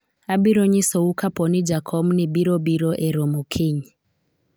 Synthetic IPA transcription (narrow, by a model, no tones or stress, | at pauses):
abiɾoɲisoukapɔnid͡ʒakʰɔmnibiɾɔbiɾɔʔɛɾɔmukʰiɲi